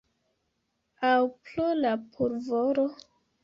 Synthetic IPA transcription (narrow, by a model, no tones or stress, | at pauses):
awplolapʰuɾvoɾo